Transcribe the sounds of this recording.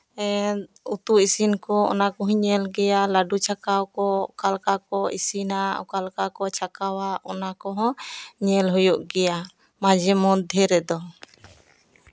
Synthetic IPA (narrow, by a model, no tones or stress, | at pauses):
ut̪uisinkɔɔ̰nakɔɦɔɲɛlɡɛjalaɖut͡ʃʰakawkɔkalkakɔisinaɔ̰kalkakɔt͡ʃʰakawaʔɔnakɔɦɔ̃ɲɛlɦujuʔɡɛja | mãd͡ʒɛmɔd̪ʱjɛɾɛd̪ɔ